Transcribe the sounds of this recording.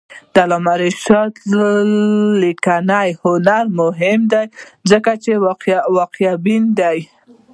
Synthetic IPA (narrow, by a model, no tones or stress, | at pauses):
d̪̥alɑmaɾiʃɑt̪ | likanajhʊnaɾmʊɦɪmd̪ajzəkat͡ʃewwɑqjabind̪aj